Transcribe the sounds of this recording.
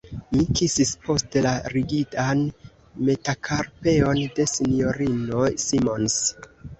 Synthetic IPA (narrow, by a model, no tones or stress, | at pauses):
mikisispo̞stelaɾiɡitan | me̞takʰaɾpe̞o̞nde̞sinjo̞ɾino̞jsimo̞ns